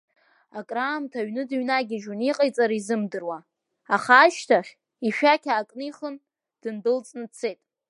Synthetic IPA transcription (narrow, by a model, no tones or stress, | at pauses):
akʼraːmtʰaɥnɨdɨɥnaɡʲiʒuniqʼajt͡sʼaɾizɨmdɨrwa | aχaːʃtʰaχʲ | iʃᶣakʲʰaːkʼniχən | d̥ɨndɨlt͡sʼnɨt͡sʰe̞jtʼ